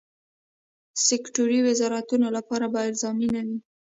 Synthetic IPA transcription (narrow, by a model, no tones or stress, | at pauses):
sɪkʈoɾiwɪzɑɾat̪unolapɑɾabaɪɾzɑminawi